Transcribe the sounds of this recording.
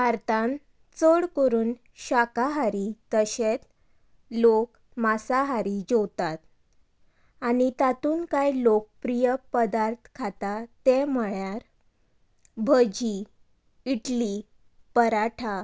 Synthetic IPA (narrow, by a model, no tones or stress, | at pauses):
ɦaɾt̪ãn | t͡səɽkəɾuːn | ɕakaɦaɾit̪əɕet͡s̪ | lok | masaɦaɾid͡ʑowt̪at̪ | anit̪at̪uːnkajlok̚pɾijəpəd̪aɾt̪ʰkʰat̪at̪eməɭjaɾ | bʱəd͡ʑi | iʈli | pəɾaʈʰa